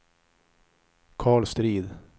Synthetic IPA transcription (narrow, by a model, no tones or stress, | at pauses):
kʰɑːɭst̪ɾiːd̪